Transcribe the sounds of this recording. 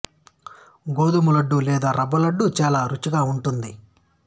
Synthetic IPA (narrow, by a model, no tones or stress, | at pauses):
ɡoːd̪umulɐɖːulɛːd̪aːɾɐbɐlɐɖːut͡ʃaːlaːɾut͡ʃːuɡaːuɳʈund̪i